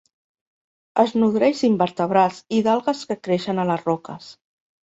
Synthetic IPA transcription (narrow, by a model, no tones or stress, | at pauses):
əznuðɾɛʃimbəɾt̪əβ̞ɾalˠziðalˠɣəskəkɾeʃənələzrɔkəs